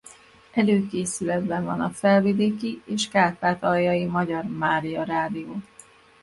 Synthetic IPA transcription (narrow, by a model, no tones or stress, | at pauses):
ʔɛløːkeːsylɛd̪bɛɱvɒ̰nɒfɛlvid̪eːkieːʃkaːt̪aːt̪ɒjɒjimɒɟɒrmaːɾijɒɾaːd̪ijoː